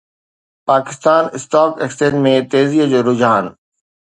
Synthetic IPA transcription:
paːkɪst̪aːnɪsʈ̪aːkeksʈẽːnmẽt̪eːziod͡ʑoːɾʊd͡ʑaːn

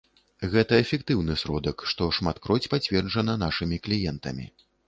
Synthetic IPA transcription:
ɣɛt̪ɐɛfʲɛkt̪ɨwnɨsɾɔd̪ɐkʂt̪ɔʂmat̪kɾɔt͡sʲpat͡sʲvʲɛrʐɐnɐnaʂɨmʲiklʲijɛnt̪ɐ̰mʲḭ

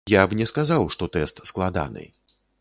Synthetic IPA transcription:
jabnʲɛskazawʂt̪ɔt̪ɛst̪sklˠad̪a̰nɨ̰

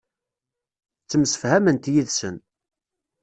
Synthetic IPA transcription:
t͡sːəmsə̥fhæmənt̪jiðsən

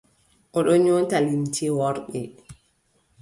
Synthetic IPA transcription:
ʔɔɗɔɲɔːntalimtʰiwɔɾɗɛ

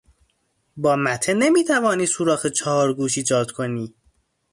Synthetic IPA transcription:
bɒːmæt̪ʰenemiːt̪ʰævɒːniːsuːɾɒːxet͡ʃʰɒːɾɡuːʃ̬iːd͡ʒɒːd̪̥kʰoniː

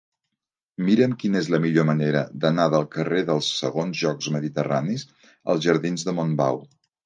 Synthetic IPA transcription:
miɾəmkinezləmiʎoməneɾəd̪ənaðəlˠkəreðəlˠsːəɣonzʒɔkzməðit̪əra̰nis | ə̰lˠzʒəɾðinzðəmomba̰w

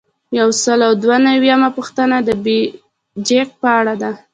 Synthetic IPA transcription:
jawsəlawd̪wanawjamapəxt̪ənad̪əbe | d͡ʒek̚pəaɽad̪a

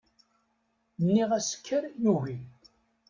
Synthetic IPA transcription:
nːiʁæsə̥kʰːəɾjuʝi

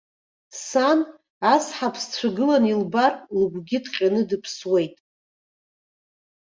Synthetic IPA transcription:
san | asħapʰst͡sʷʰaɡɨlanilbarʼlɡʷɡʲɪdqʲʼanɨdɨpʰswe̞jtʼ

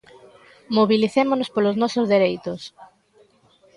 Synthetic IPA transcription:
moβiliθemonospoloznɔsʊzðeɾejt̪ʊs

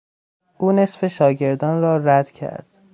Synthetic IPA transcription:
ʔuːne̞sfe̞ʃɒːɟe̞ɾd̪ɒːnrɒːɾæd̪̥cʰæ̰ɾd̪̥

